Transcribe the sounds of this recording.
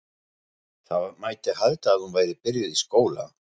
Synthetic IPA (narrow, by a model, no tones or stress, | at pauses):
θamajt̪ɪhaðt̪aːðhunvaːjɾɪpɪɾjʏðiskoːwla̰